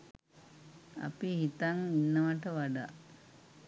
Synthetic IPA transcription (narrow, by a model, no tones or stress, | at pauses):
a̰pihit̪aŋinːəʋaʈəʋaɖa